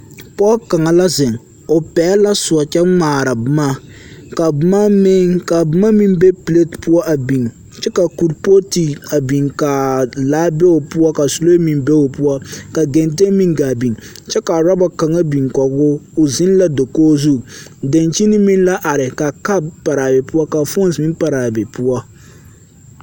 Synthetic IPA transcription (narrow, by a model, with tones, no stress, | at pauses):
pɔ˦ka˨ŋa˨la˦zɪ˨ŋ | ʊ˨pɛː˨˦la˦sʊ˨ɔ˨t͡ʃɛ˦maː˨ɾa˨bʊ˦ma˦ | ka˨bʊ˦ma˦me˦ŋka˨bʊ˦ma˦mi˦nbe˦pi˨le˦tpu˦ɔ˦ʔa˨bi˨ŋ | t͡ʃɛ˦ka˨ku˨ɾpo˦ti˨a˨bi˨ŋka˨laː˨˦be˦o˨pu˦ɔ˦ka˨su˨lo˦mi˨nbe˦o˨pu˦ɔ˦ka˨ɡɛ˨nte˦mi˦ŋɡa˨bi˨ŋ | t͡ʃɛ˦ka˨ɾa˦ba˦ka˨ŋa˦bi˨ŋkɔ˨ɡʊ˦ʊ˨zɪ˦n˦la˦do˨koː˦zu˦de˨nt͡ʃi˦ni˦mi˦n˦la˦ʔa˨ɾɪ˨ka˨ka˦bpa˨ɾa˨bɛ˨pu˦a˦ka˨fo˦n˦smi˦m˦pa˨ɾa˨bɛ˨pu˦a˦